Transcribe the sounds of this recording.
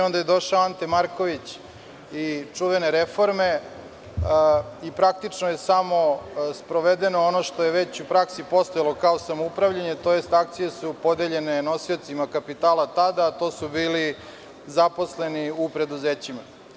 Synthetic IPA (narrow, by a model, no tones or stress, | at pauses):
o̞nd̪ajed̪o̞ʃaoant̪emaɾko̞ʋit͡ɕ | it͡ʂuʋe̞neɾefo̞ɾme̞ | ipɾak̚t̪it͡ʂnojesamo̞spɾoʋed̪enoono̞ʃt̪ojeʋe̞t͡ɕupɾaksipo̞st̪ojalˠo̞kaosamoupɾaʋʎaɲe̞t̪o̞jest̪ak̚t̪sije̞supo̞d̪eʎe̞ne̞no̞sio̞t̪simakapit̪aːlat̪ad̪aːt̪o̞subiːli | zapo̞sle̞niupɾe̞d̪uzeːt͡ɕima